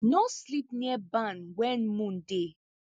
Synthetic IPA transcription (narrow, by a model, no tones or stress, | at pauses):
noslipniɛbanwɛnmũn̩de